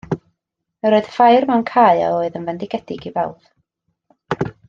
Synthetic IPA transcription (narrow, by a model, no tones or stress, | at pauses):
əɾoːɨð̥fajrmɛwnkʰaːɨa̰oːɨðənvɛndɪɡɛdɪɡivɛlˠð̥